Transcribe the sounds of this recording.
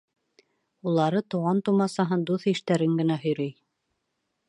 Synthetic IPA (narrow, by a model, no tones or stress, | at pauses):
ulˠɑɾɤt̪ŭʁɑnt̪umɑsɑɦɤnd̪uθiʃt̪æɾɘŋɡɘ̆næɦɵ̆jɾɵj